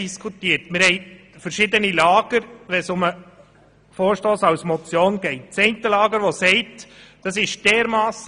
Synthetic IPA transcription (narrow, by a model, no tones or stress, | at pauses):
iskʰut̪iːəɾtmɪɾhɛɪ | fəɾʃɪd̪ənilɑːɡ̥əɾʋɛsʊmə | foːɾʃtoːsɑwsmɔt͡sjoːnɡ̥ɛɪt̚t͡sɛɪntəlɑːɡəɾʋɔsɛɪtd̥ɑsɪʃd̥ɛːɾmɑːs